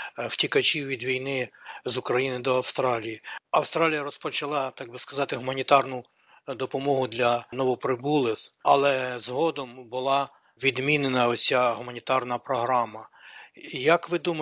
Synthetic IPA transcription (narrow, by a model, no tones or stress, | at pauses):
w̥tʲikɐt͡ʃʲiwʋʲid̪ʋʲijnɪzʊkɾɐjinɪd̪ɔɐwst̪ɾɑlʲijiɐwst̪ɾɑlʲijɐɾɔspɔt͡ʃɐlˠɑt̪ɑɡ̚bɪskɐzɑt̪ɪɦʊmɐnʲit̪ɑrnʊ | d̪ɔpɔmɔɦʊd̪lʲɐnɔʋɔpɾɪbulˠɪxɐlˠɛzɦɔd̪ɔmbʊlˠɑ | ʋʲid̪mʲinenɐɔsʲaɦʊmɐnʲit̪ɑrnɐpɾɔɦɾɑmɐ | jɐkʋɪd̪umɐ